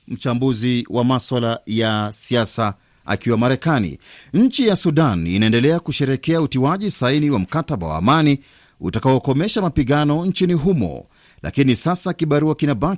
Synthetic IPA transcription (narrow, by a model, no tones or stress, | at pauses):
m̩t͡ʃambuziwʔamaswalajasiasa | a̰kiwamaɾɛkanḭɲ̩t͡ʃijasuɗanḭnaɛndɛlɛakuʃɛɾɛkɛautiwaʄisainiwam̩kataɓa̰wa̰ːmani | ṵtakaɔkɔmɛʃamapiɠanɔnt͡ʃiniɦumɔ̰ | lʔa̰kinisasakiɓaɾuakinaba